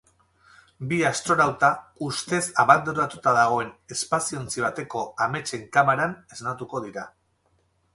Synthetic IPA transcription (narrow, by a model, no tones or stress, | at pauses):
biast̪ɾo̞nawt̪aust̪e̞saβand̪uɾat̪ut̪aðaɣ̞o̞e̞ne̞spasio̞nt͡siβ̞at̪e̞ko̞ame̞t͡ʃe̞ŋkamaɾane̞znat̪uko̞ð̞iɾa